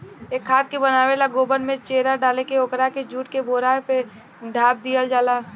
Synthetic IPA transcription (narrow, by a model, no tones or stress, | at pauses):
eːkʰːaːt̪̚kebənaːʋelaɡoːbənmẽt͡ʃeːɾaɖaːlekeokɾaked͡ʒuːʈ̚keboːɾape | ɖʱaːb̚d̪ijəld͡ʒaːla